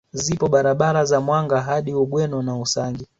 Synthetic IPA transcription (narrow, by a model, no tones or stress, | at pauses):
zipɔɓaɾaɓaɾazamwaŋɡaɦaɗiuɓwɛnɔnausaŋɡi